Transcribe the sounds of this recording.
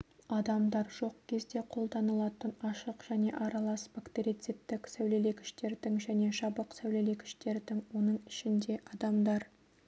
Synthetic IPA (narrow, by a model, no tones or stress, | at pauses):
ɑd̪ɑmd̪ɑɾʒo̞qkʲʰe̞zd̪e̞qʰo̞lˠd̪ɑnəlˠɑt̪ənɑʃəqʒ̥æne̞ʔɑɾɑlˠɑsbakt̪eɾit̪sit̪ːɪksæwle̞le̞kʲʰɪ̥ʃt̪e̞ɾd̪ɪŋʒæne̞ʃɑbəqsæwle̞le̞kʲʰɪ̥ʃt̪e̞ɾd̪ɪŋwo̞nəɴɪʃɪnd̪e̞ʔɑd̪ɑmd̪ɑɾ